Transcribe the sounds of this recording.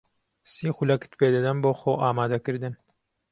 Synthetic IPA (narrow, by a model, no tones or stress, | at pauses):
siːxulɐkɨ̥t̪peːd̪ad̪ɐnboːxoːʔaːmaːd̪ɐkɨɾd̪ɨn